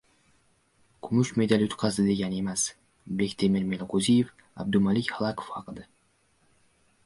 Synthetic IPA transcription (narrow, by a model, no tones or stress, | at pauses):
kʰʊmʊʃme̞d̪alʊt̪qʰɑzd̪ɪd̪e̞ɡʲane̞mas | blekʲt̪ʰemeɾmelˠqozijef | a̰b̚d̪ʊmalɪkʲhɑlˠakʰo̥fhɑqɨd̪a